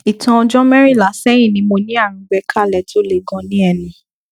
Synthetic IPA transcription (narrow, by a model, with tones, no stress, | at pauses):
i˨tɔ̃˧ɔ˧d͡ʒɔ˦mɛ˦ɾi˦˨la˨˦sɛ˦ĩ˦˨nĩ˧mo˧nĩ˦a˦˨ɾ̩̃˧˦ɡ͡bɛ˧˦kʰa˦˨lɛ˨˦to˦le˦˨ɡɔ̃˧nĩ˦ɛ˧nĩ˧